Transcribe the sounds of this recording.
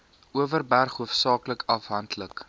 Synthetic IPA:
ʔuəvərbærχɦuəfsɑːkləkɐfɦɐntʰlək

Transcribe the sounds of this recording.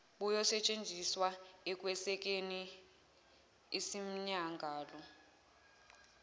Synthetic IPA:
ɓujɔsɛt͡ʃʼend͡zʱiswaɛk̬ʼwɛsɛk̬ʼeni | sim̩ɲaŋɡʱaːlɔ

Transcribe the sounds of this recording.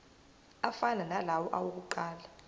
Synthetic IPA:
afananalawɔʔawok̬uǃaːla

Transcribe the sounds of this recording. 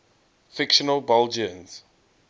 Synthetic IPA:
fɪkʃənəlbɛld͡ʒiə̃nz̥

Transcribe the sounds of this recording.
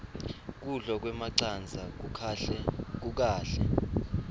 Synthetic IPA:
k̬uɮɔk̬wɛmaǀand͡zʱak̬u | k̬uk̬aːɬɛ

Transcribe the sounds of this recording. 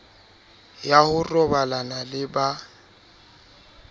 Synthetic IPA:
jahʊrɔbalanalɪba

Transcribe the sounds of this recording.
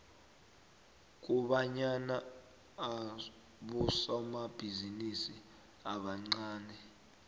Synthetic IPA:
k̬ʼuɓaɲanaː | ɓusaumab̥ʱizinisi | aɓaŋ͡ǀaːnɛ

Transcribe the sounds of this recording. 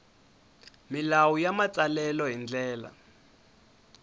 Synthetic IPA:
milawujamat͡salɛlɔɦind͡ɮɛːla̰

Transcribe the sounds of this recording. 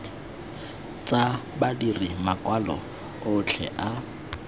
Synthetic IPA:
t͡sʼabadirimakʼwalɔ̰ | ʊt͡ɬʰɛ̰ʔa

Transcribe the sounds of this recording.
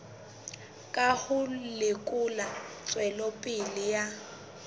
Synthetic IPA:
kʼahʊlɪkʼʊlat͡sʼwɛlɔpʼɪlɪja

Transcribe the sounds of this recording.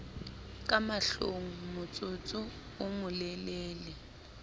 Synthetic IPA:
kʼamaɬoŋ̩mʊt͡sʼʊt͡sʼʊ | ʊmʊlɛleːlɪ

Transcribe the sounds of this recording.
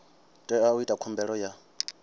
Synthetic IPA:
tʼɛauitʼakʰɔmbɛɺɔja

